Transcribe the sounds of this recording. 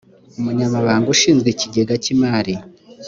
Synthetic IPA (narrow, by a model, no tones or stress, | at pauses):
umuɲamaβaːŋɡuʃiːnzɡweciɟe̞ɡacimaːɾi